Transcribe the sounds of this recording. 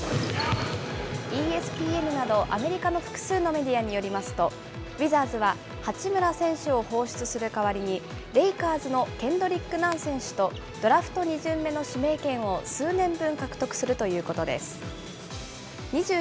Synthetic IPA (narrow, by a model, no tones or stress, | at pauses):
iːe̞sɨ̥pʲiːe̞nɯ̟nad̪o̞ʔa̰me̞ɾʲikano̞ɸɯ̟̥kɯ̟̥sɨːno̞me̞d̪ʲiaɲ̟ijo̞ɾʲimasɨ̥t̪o̞ | bʲizaːzɨβa | hat͡ɕimɯ̟ɾasẽ̞ɰ̃ɕɨo̞ho̞ːɕi̥t͡sɨsɨɾɯ̟kaβaɾʲiɲ̟i | ɾe̞ikaːzɨno̞kẽ̞nd̪o̞ɾʲikːɯ̟nãɰ̃sẽ̞ɰ̃ɕɨ̥t̪o̞ | d̪̥o̞ɾaɸɯ̥t̪o̞ɲ̟iʑɨ̃mːe̞no̞ɕime̞ːkẽ̞ɰ̃o̞sɨːnẽ̞mbɯ̟̃ŋkakɯ̟̥t̪o̞kɯ̟̥sɨɾɯ̟t̪o̞jɯ̟ːko̞t̪o̞d̪e̞̰sɨ̥ | ɲ̟iʑɨː